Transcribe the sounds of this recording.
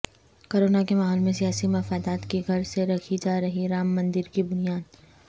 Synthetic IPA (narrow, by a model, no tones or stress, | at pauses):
koːɾoːnakemaːɦɔːlmẽsijaːsimɐfaːd̪aːt̪kiɡʱɐɾseɾɐkʰid͡ʒaːɾɐɦiɾaːmːɐ̃nd̪ɪɾkibʊnijaːd̪